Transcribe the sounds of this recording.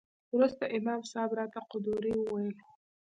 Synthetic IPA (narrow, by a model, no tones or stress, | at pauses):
wɾust̪aʔɪmɑmsɑbɾɑt̪aqʊd̪uɾiwəwajəl